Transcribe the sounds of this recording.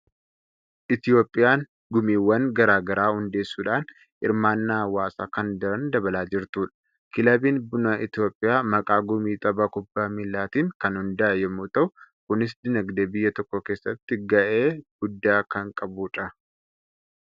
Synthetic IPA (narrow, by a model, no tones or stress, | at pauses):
ʔɪt̪ɪjo̞ːpʼːɪjaːŋ | ɡʊmiːwːɐŋɡɐɾaːɡɐɾaːhʊnd̪e̞ːsːuːᶑaːn | ʔɪ̰ɾmaːnːaːwaːsaːkɐnd̪ɐɾɐnd̪ɐbɐlaːd͡ʒɪɾt̪uːᶑɐ̥ | kɪlɐbiːnbʊnɐʔɪt̪ɪjo̞ːpʼːɪjaːmɐkʼaːɡʊmiːt̪ʼɐbɐkʊbːaːmɪlːaːt̪iːŋkɐnhʊnd̪ɐʔɐjɛmːuːt̪ɐʔʊkʊnɪs̬d̪ɪnɐɡd̪eːbɪjːɐt̪ɔkːɔke̞ːsːɐt̪ːɪɡɐʔeːɡ̥ʊd̪ːaːkɐŋkʼɐbuːᶑɐ